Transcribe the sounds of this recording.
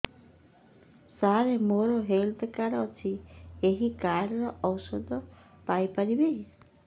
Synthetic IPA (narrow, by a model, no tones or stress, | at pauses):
saɾemoɾoɦelt̪ʰkaɾːt͡ʃʰieɦikaɾɾɔɔwsɔd̪ʱɔ | pajpaɾibe